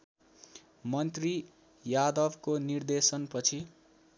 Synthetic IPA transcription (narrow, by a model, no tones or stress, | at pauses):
mʌnt̪ri | jad̪ʌbkonird̪esʌnpʌt͡sʰi